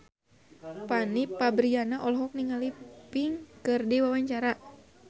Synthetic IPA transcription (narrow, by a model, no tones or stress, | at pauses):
panipabɾianaʔɔlɦɔk̚niŋalipiŋkɨrdiwawaɲt͡ʃaɾa